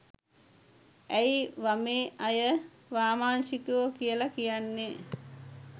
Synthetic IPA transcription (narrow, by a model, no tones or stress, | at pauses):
æjiʋameːʔajə | ʋaːmaːnʃikuʋəkijəlakijanːe